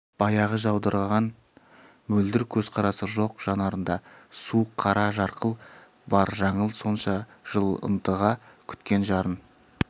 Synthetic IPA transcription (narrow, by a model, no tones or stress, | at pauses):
b̥ɑjɑʁəʒɑwd̪əɾʁɑn | mɵld̪ɪɾkʲʰɵzqʰɑɾɑsəʒo̞qʒ̥ɑnɑɾənd̪ɑsuqʰɑɾʔɑʒɑɾqʰəlˠ | bɑɾʒɑɴəlˠso̞nʃɑʒ̥əlˠə̰nt̪əʁɑkʲʰʏ̥t̪kʲe̞nʒɑɾən